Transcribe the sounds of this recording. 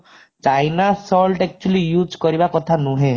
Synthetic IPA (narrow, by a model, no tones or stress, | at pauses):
t͡ʃajnasɔlʈɛk̚t͡ʃuəlijud͡ʒkɔɾibakɔt̪ʰanũɦẽ